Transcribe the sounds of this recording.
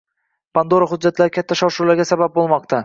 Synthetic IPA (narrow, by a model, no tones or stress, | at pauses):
pʰand̪oɾaɦʊd͡ʒːat̪laɾkʲʰat̪ʰːaʃɒwʃulaɾɡʲasabap̚bolˠmɒq̚t̪ʰa